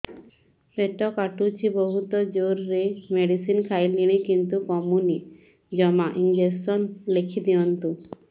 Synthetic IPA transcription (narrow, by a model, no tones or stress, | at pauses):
feʈɔkaʈut͡ʃʰibɔɦut̪ɔd͡ʒoɾːemeɖisinkʰajliɽ̃ikint̪ukɔmuni | d͡ʒɔmaʔind͡ʒessɔnlekʰid̪iɔnt̪u